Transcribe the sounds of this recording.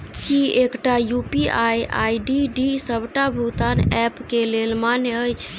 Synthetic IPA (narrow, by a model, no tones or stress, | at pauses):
kiekʈajupiʔaja̰iɖiɖisəbʱʈabʱut̪anɛpkelelmaneəjt͡ʃʰ